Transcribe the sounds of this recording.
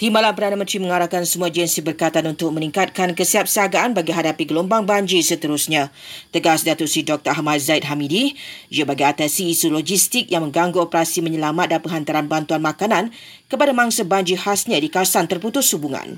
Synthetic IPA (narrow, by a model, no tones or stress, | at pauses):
t̪imbalanpərdanəmə̃nt̪ɾimə̃ŋaɾakansəmũad͡ʒɛnsibərkajt̪anunt̪ʊk̚mə̃niŋkat̪̚kankəsiap̚səaɡaanbaɡiɦadapiɡəlombaŋbaɲd͡ʒisət̪əɾʊsɲã | t̪əɡasdat̪ʊʔsidɔk̚t̪əahmat̪̚zait̪̚ɦamidijəbaɡiat̪ɛnsiːsuloɡist̪ɪk̚jaŋmə̃ŋɡaŋɡuopəɾasiməɲəlamat̪̚dalpəŋɦant̪aɾanbant̪uanmakanãn | kəpadamãŋsabaɲd͡ʒihasɲãdikasant̪ərput̪ʊshubuŋã̰n